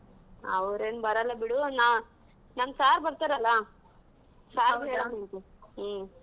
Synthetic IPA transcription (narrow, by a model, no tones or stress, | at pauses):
ɐ̰ʋɾeːnbɐɾɐlːɐbiɽuna | nɐmsaːɾbɐɾt̪aːɾɐlːa | saːeɭɐneŋke